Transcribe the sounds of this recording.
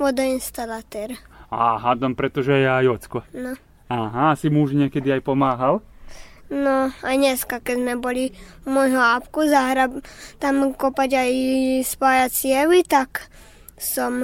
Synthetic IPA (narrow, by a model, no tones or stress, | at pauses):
ʋɔd̪ainst̪alat̪ɛɾaːɦad̪ɔmpɾɛt̪ɔʒɛjɛajɔt͡skɔnɔ | aɦaasimuʒɲɛkɛd̪iajpɔmaːɦal | nɔajɲɛskakɛzmɛbɔli | mɔjɦɔapkuzaɦɾat̪amkɔpaɟajspaːjat͡sɪɛʋit̪ak | sɔm